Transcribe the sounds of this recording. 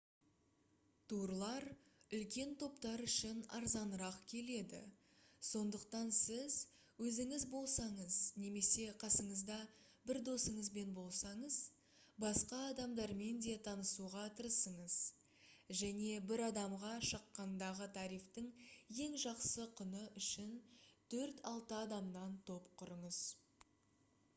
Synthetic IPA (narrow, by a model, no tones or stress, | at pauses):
t̪ʰuɾlˠɑɾʏlkʲe̞nt̪ʰo̞pt̪ɑɾʏʃɪnɑ̰ɾzɑnəɾɑqkʲʰe̞le̞d̪ɪ̰ | so̞nd̪əqt̪ɑnsɪz | wɵzɪŋɪzbo̞lˠsɑɴəzne̞me̞se̞qʰɑsəɴəzd̪ɑ | bɪɾd̪o̞səɴəzbe̞nbo̞lˠsɑɴəz | bɑsqɑːd̪ɑmd̪ɑɾme̞nd̪e̞t̪ʰɑnəsuʁɑt̪ʰəɾəsəɴəz | ʒæne̞bɪɾɑd̪ɑmʁɑʃəqːɑnd̪ɑʁət̪ʰɑɾijft̪əŋje̞ŋʒɑqsəqʰʊnəʔʏʃɪnt̪ʰɵɾt̪ɑlˠt̪əɑd̪ɑmnɑnt̪ʰo̞pqʰʊɾəɴəz̥